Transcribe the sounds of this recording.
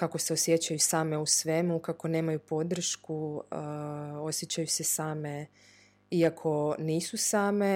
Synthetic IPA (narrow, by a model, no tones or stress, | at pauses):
kako̞se̞osjet͡ɕajusaːme̞usʋe̞mukako̞ne̞ːmajupo̞d̪r̩ʃku | o̞sjet͡ɕajuse̞saːme̞ | iakʰo̞niːsusaːme̞